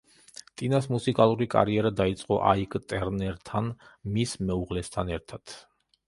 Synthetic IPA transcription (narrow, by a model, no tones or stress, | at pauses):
t̪ʼinasmusikʼalˠuɾikʼa̰ɾiɛɾad̪ait̪sʼqʼɔʔaikʼt̪ʼɛɾnɛɾt̪ʰanmismɛuʁlɛst̪ʰanɛɾt̪ʰat̪ʰ